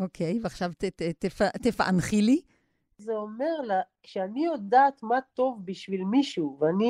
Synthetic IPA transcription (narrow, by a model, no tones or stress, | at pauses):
ʔokʰejveaχʃavtetetefat̪efaʔa̰nχili | zeomeʁlakʃeanijod̪aːt̪mat̪o̞vbiʃvilmiʃuveani